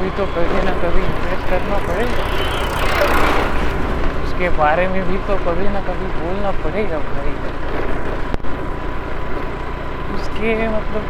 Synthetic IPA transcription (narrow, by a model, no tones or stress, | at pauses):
bʱit̪okəbʱinakəbʱiɪmpɾesʈkəɾnapəɽeɡa | ʊskebaɾemẽbʱit̪okəbinakəbʱibolnapəɽeɡabʱaɾeɡa | ʊskemət̪ləb